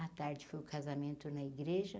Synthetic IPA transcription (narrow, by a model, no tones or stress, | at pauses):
ɐt̪aɾd͡ʒɪfojʊʊkazamẽnt̪ʊnɐiɡɾeʒɐ